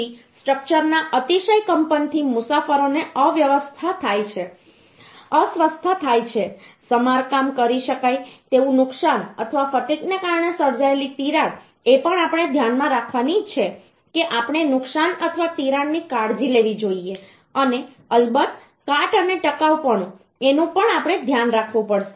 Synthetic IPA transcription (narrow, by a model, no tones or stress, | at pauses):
isʈɾək̚t͡ʃəɾnaʔət̪iʃəjkəmpənt̪ʰimʊsafəɾoneəʋjəʋəst̪ʰat̪ʰajt͡ʃʰe | əsʋəst̪ʰət̪ʰajt͡ʃʰesəmaɾkamkəɾiʃəkajt̪eʋũnʊksanə̰t̪ʰəʋafət̪iknekaɾɳesəɾd͡ʒaelit̪iɾaɽ | epəɳapɽ̃ed̪ʱjanmãɾakʰʋanid͡ʒt͡ʃʰe | keʔapɳ̃enʊksanət̪ʰəʋat̪iɾaɳːikaɽd͡ʒileʋid͡ʒoie | əne | əlbət̪ | kaʈəneʈəkaʋpəɳ̃ũ | enũpəɳapɳ̃ed̪ʱjanɾakʰʋũpəɽʃe̥